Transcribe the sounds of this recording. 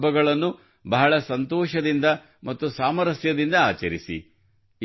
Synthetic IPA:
bɐɡɐɭɐnːu | bɐɦɐɭɐsɐnt̪ɔːʃɐd̪ind̪ɐ | mɐt̪ːusaːmɐɾɐsjɐd̪ind̪ɐaːt͡ʃɐɾisḭ

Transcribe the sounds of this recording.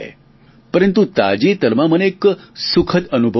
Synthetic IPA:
e | pəɾənt̪ut̪a̰d͡ʒit̪əɾmãməneːksukʰət̪ənubʱə

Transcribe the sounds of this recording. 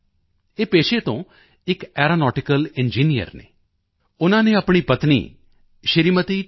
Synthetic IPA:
eːpeːʃeːt̪õː | ɪkɛːɾaːnɔːʈɪkəlɪnd͡ʒiːnijə̰ɾnḛː | ʊnãːnẽːapɳ̃iːpət̪nḭː | ʃəɾiːmət̪iː

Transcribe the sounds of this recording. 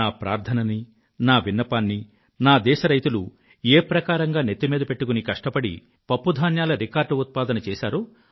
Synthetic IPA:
aːpɾa̰ːɾt̪ʰɐnɐni | naːʋinːɐpaːnːi | naːd̪ɛːʃɐɾɐjt̪ulu | eːpɾɐkaːɾɐŋɡaːnet̪ːimiːd̪ɐpe̞ʈːukunikɐʂʈɐpɐɽḭ | pɐpːud̪ʱaːnjaːlɐɾikaːɾɖut̪̚paːd̪ɐnɐt͡ʃɛːʃaːɾuː

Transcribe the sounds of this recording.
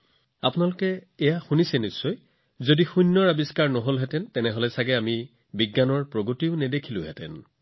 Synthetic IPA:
apʊnalʊkɛːjaxunisɛnisːɔj | zodixujnːɔɹabiskaɹnɔɦolɦɛtɛntɛnɛɦolɛsaɡɛami | biɡːanɔɹpɹoɡotiʊnɛdekʰilʊ̃ɦɛtɛ̰n

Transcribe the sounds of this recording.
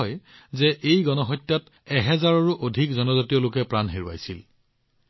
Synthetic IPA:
ɔjzɛʔejɡɔnɔɦɔjtːat | ɛɦɛzaɹɔɹuʔodʱikzɔnɔzatiɔlokɛpɹanɦeɹua̰jsil

